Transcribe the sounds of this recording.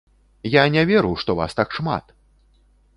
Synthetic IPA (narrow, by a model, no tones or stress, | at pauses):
janʲɛvʲɛɾuʂt̪ɔva̰st̪akʂma̰t̪